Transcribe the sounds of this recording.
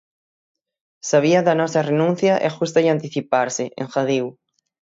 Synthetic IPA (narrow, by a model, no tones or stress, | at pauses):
saβ̞iɐðɐnɔsɐrenũn̟θjɐʔɛ̰ʃust̪ɐɪant̪iθipaɾsɪʔḛ̃ŋxaðiw